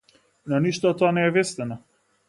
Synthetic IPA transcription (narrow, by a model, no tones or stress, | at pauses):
nɔniʃt̪ɔɔt̪ːoanɛːvɛst̪ɛnɔ